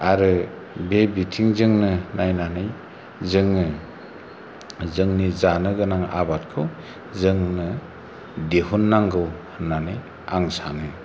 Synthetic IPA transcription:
aɾɯ | bebitʰiŋzɯŋnɯnajnanɯj | zɯŋnɯ | zɯŋnizanɯɡɯnaŋa̰bat̚kʰɯw | zɯŋnɯ | deɦunːaŋɡɯwhɯnːanɯj | a̰ŋsanɯ

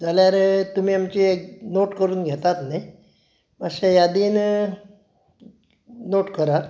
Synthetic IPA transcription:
d͡zaljaɾet̪um̤iːamt͡ɕieknoʈkəɾuːnɡʱet̪at̪naj | masejad̪iːn | noʈkəɾa

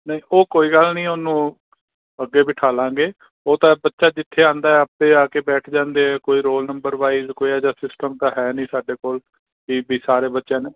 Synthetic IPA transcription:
nəĩːoːkoːiːɡəlnĩːʊnũː | əɡːeːbiːʈʰaːlãːɡeː | oːt̪ãːbətːʃaːd͡ʒɪt̪ʰːeːãːnd̪aːɛːəpeːaːkeːbɛːʈʰd͡ʒãːnd̪eːɦɛːkoːiːɾoːlnəmbəɾʋaːizkoːiːaːd͡ʒaːsɪsʈəmt̪ãːɦɛːnĩːsaːɖeːkoːl | kiːbiːsaːɾeːbətːʃãːneː

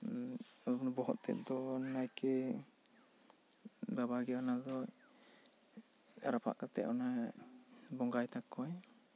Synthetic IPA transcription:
ɔnbɔɦɔt̪̚t̪ɛ̰ʔ̚d̪ɔnajkɛ | babaɡɛɔnazɔj | aɾapʰa̰ʔkat̪ɛ̰ʔɔna | bɔŋɡajt̪akːɔj

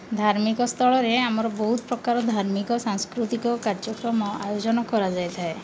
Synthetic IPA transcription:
d̪ʱaɾmikɔst̪ʰɔɭɔɾeamɔɾɔbɔɦut̪ɔpɾɔkaɾɔd̪ʱaɾmikɔsaŋskɾut̪ikɔkaɾd͡ʒɔkɾɔmɔa̰jod͡ʒɔnɔkɔɾad͡ʒajt̪ʰae

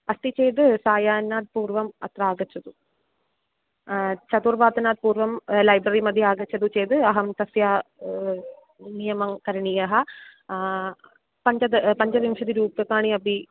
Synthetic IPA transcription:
ɐst̪it͡ɕejt̪ɨsaːjaːnːaːd̪̚puːrʋɐmɐt̪raːɡɐt͡ɕːɐðu | t͡ɕɐd̪uːrʋaːt̪ːɐnaːd̪̚puːrʋɐmlɐjbɾɐrimɐd̪ʱjiaːɡɐt͡ɕːɐðut͡ɕejt̪ɨɐɦɐmt̪ɐsjaː | nijɐmɐŋkɐɾɐɳijɐɦɐ | pɐɲd͡ʑɐd̪pɐɲd͡ʑɐʋimɐʂɐðiɾuːpːɐkːaːɳiɐbi

